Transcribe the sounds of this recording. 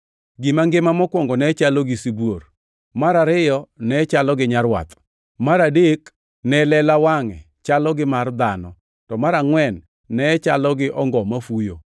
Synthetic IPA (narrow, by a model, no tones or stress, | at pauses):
ɡɪmaŋɡɪmamɔkwɔŋɡɔnɛt͡ʃalɔɡɪsibwor | maɾaɾɪjɔnɛt͡ʃalɔɡɪɲaɾwa̰t̪ | maɾadek | nɛlɛlawaŋɛ̰ | t͡ʃalɔɡɪmard̪anɔ | tɔmaɾaŋwɛnː | ɛt͡ʃalɔɡɪʔɔŋɡɔmafujo